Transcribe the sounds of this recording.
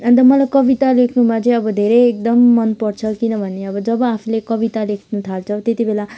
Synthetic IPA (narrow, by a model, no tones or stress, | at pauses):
ʌnt̪̬ʌmʌlajkʌbit̪alekʰnumat͡sʌj̃ʌbʌd̪ʱeɾʌek̚d̪ʌmːʌnpʌrt͡sʰʌkinʌbʱʌneʌbʌd͡zʌbʌapʰilekʌbit̪alekʰnut̪ʰalt͡sʰʌwt̪et̪ibʱela